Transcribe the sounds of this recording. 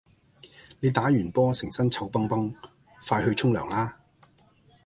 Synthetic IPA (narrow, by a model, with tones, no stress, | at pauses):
ne˨˧jt̪aː˨˥jyː˨˩npɔː˥sɪ˨˩ŋsɐ˥nt͡sʰɐ˧wpɐ˥ŋpɐ˥ŋ | faː˧jhɵ˧ɥt͡ʃʰʊ˥ŋlœː˨˩ŋlaː˥